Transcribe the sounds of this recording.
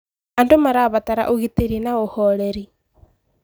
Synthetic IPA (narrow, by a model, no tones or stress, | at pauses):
andomaɾaβataɾa̰ʔoɣiteɾinaohɔɾeɾi